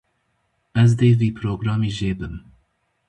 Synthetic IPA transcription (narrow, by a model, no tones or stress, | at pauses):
ɛzd̪eːviːpʰɾoːɡɾɑːmiːʒeːbɨm